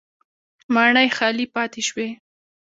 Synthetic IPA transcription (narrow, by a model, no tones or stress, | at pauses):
mɑɳəjxɑlipɑt̪eʃwe